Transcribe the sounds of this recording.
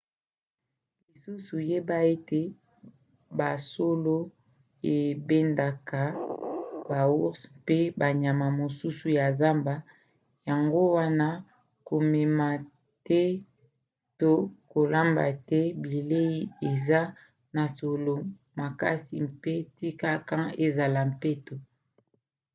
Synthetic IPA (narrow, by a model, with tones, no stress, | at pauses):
li˨su˦su˨je˦ba˦e˦te˦ | ba˨so˦lo˦ | e˨be˦nda˨ka˨ | ba˨wu˦spe˦ba˨ɲa˨ma˨mo˨su˦su˨ja˨za˦mba˨ | ja˨ŋɡo˦wa˦na˦ | ko˨me˨ma˨ | tɛ˦ | to˦ko˨la˦mba̰˨tɛ˦bi˨le˦i˦e˨za˦ | na˨so˨lo˨ | ma˨ka˦si˨mpe˦ti˦ka˦kã˦e˨za˨la˨m˨pe˦to˨